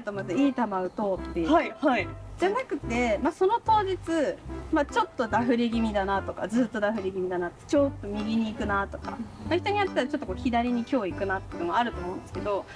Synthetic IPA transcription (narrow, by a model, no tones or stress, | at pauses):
t̪omat̪ɨiːt̪amaɯ̟t̪o̞ːt̪ːe̞aihaid͡ʑanakɯ̟t̪ːe̞maso̞no̞t̪o̞ːʑit͡sɨmat͡ɕo̞t̪ːo̞d̪aɸɯ̟ɾʲeɡʲimʲid̪anat̪o̞kad͡zɨːt̪ːo̞d̪aɸɯ̟ɾʲeɡʲimʲid̪anat̪ːe̥t͡ɕo̞t̪ːo̞mʲiɡʲiɲ̟iːkɯ̟nat̪o̞̥ka̰maçi̥t̪o̞ɲ̟ijat̪e̥t̪aɾat͡ɕo̞t̪ːo̞koːçid̪aɾʲiɲ̟ikʲo̞ːikɯ̟nat̪ːeɯnoaɾɯ̟t̪o̞ːmo̞ɯ̃nd̪esɨ̥ke̞d̪o̞